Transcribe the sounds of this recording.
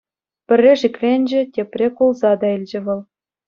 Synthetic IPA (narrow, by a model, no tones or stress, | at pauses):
pʲɘ̆rʲːeʃikvʲenʲd͡ʑĕtʲeprʲekulˠzɑd̪ɑilʲd͡ʑɘ̆βɤ̆lˠ